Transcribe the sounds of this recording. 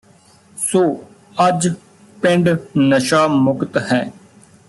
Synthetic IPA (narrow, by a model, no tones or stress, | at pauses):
soː | əd͡ʒ | pɪ̃ɳɖnəʃaːmʊkt̪hɛ̃ː